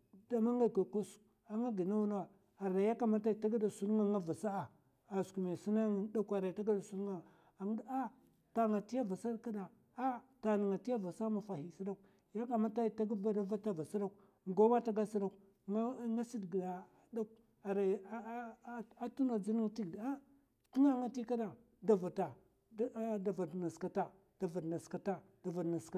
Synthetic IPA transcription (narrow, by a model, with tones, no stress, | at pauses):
da˨ma˦ŋa˨ka˨ku˦s | a˨ŋa˦ɡi˨na˦wu˦n˦wa˨ | a˨ɾa˨ja˦ka˦˨ma˦ta˦i˨ta˦ɡa˦da˨su˦ɾŋa˦ŋa˦va˨sa˦a˨ | a˨sku˨me˨si˦na˦ŋ˨˦da˦ka˨ɾa˨ta˦ɡa˦da˨su˦ɾŋa˦˨ | a˨ŋ˦da˦ | ta˨ŋa˨ti˦ja˦va˨sa˦ɾka˦da˨ | a˦ta˨ni˨ŋa˨ti˦ja˦va˨sa˦ma˨fa˨hi˨si˦da˦k̚ | ja˦ka˨ma˦ta˦˨ta˦ɡva˦da˦va˦ta˦va˨sa˦da˦k̚ | ɡo˦ma˦ta˦ɡa˦si˦da˦˨k | ŋɡa˦si˦dɡda˨ | da˦k | a˨ɾa˨˦ | a˦tu˦na˨d͡zi˦ni˦ŋ˦ti˦ɡda˦ | ti˦na˦ŋa˦ti˦ka˦da˨ | da˨va˨ta˨˦ | da˨va˨dna˨ska˨ta˨ | d̥a˨va˨dna˨ska˨ta˦ | d̥a˨va˨dna˨ska˨